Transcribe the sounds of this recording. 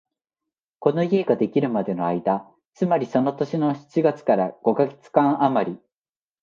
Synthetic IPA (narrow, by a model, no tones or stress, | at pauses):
ko̞no̞ie̞ɡad̪e̞kʲiɾɯ̟mad̪e̞no̞aid̪a | t͡sɨmaɾʲiso̞no̞t̪o̞ɕino̞çi̥t͡ɕiɡat͡sɨ̥kaɾaɡ̥o̞kaɡe̥t͡sɨ̥kãɰ̃ʔamaɾʲi